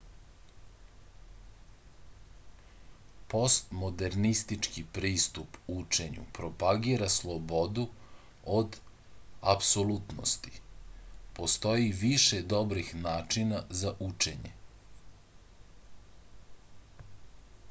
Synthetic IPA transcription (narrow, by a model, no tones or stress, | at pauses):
po̞st̪mo̞d̪eɾnist̪it͡ʃkipɾiːst̪uput͡ʃe̞ɲṵpɾo̞paɡiɾaslˠobo̞d̪u | od̪ | apsolut̪no̰st̪i̥ | po̞st̪o̞jiʋiʃed̪o̞bɾixnaːt͡ʃinazaʔut͡ʃeɲḛ